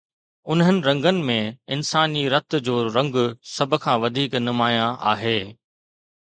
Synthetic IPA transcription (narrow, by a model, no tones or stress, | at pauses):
ʊnɦənɪ̆ɾɐ̃ŋɡənɪ̆mẽɪnsaːniɾɐt̪d͡ʑoːɾɐ̃ŋɡsɐbʱʊ̆kʰãːʋɐd̪ʱiːknʊmaːjãʔa̰ːɦeː